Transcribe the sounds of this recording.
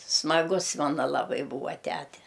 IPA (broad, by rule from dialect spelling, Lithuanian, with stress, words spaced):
smɐˈɡʊs ˈmɑːnɐ lˠɐˈbɐɪ ˈbuːʋɐ ˈtʲætʲɛ